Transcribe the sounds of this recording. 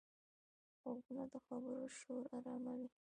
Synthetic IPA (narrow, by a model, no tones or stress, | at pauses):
ɣaɡunad̪əxabəɾoʃoɾaɾɑmawi